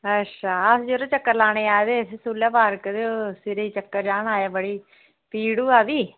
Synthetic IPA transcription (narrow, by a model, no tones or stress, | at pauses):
ətːʃʰaːəsd͡ʒəɾõːt͡ʃəkːəɾlaːɽ̃eːaːed̪eːsesuːljaːpaːɾkd̪eoːsɪɾeiːt͡ʃəkːəɾd͡ʒaːɳaːjaːbəɽiː | piːɽuːaːʋiː